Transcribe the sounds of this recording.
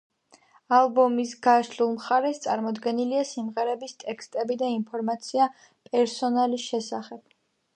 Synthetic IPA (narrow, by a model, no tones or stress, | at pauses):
alˠbɔmisɡaʃlulˠmχaɾɛst̪sʼaɾmɔd̪ɡɛniliasimʁɛɾɛbist̪ʼɛkst̪ʼɛbid̪ainpʰɔɾmat̪sʰia | pʼɛɾsɔnalisʃɛsaχɛb̥